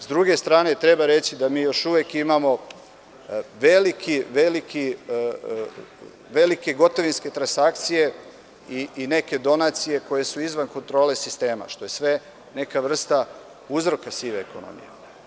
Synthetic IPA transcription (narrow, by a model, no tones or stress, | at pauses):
zd̪ɾuɡe̞st̪ɾaːne̞t̪ɾe̞baɾe̞t͡ɕid̪amiːjo̞ʃuʋekimamo̞ | ʋelikʰiʋe̞likʰi | ʋe̞like̞ɡo̞t̪o̞ʋinske̞t̪ɾansak̚t̪sije̞ | iine̞ke̞d̪o̞nat̪sije̞ko̞je̞suizʋanko̞nt̪ɾo̞ːle̞sist̪e̞ːma̰ʃt̪o̞je̞sʋe̞ | ne̞kaʋr̩st̪a | uzɾo̞kasiʋeekono̰mḭjḛ